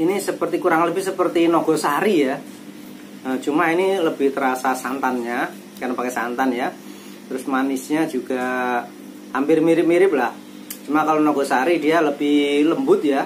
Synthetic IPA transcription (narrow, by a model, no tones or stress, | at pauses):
inisəpərt̪ikuɾaŋləbɪhsəpərt̪inɔɡ̥ɔ̤saɾija | ət͡ʃumainiləb̥ɪht̪əɾasasant̪anɲa | karnopakɛsant̪anja | t̪əɾʊsmanɪsɲad͡ʒuɡ̥a | ampɪrmiɾɪp̚miɾɪp̚lah | t͡ʃumakalonɔɡɔsaɾidialəb̥ɪhləmbʊt̪̚ja